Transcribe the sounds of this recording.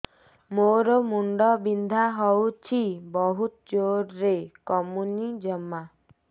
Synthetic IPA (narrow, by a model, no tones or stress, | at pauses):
moɾɔmuɳɖɔbind̪ʱaɦɔwt͡ʃʰibɔɦut̪ɔt͡ʃoɾːekɔmunid͡ʒɔmːa